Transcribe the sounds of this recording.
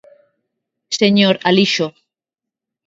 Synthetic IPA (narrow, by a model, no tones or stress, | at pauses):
seɲoɾaliʃo